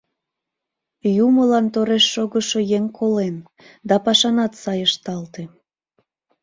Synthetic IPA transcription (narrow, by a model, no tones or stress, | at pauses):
juməlɑnt̪oɾeʃːoɣəʃojeŋkʰolen | d̪ɑpɑʃɑnɑt̪sɑjəʃt̪ɑlt̪e